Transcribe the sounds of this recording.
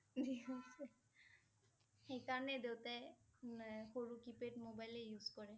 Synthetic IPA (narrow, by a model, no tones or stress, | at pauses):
diosɛ | xejkaɹɔnɛdewtɛ | xoɹukipetmobajlɛjuzkɔɹɛ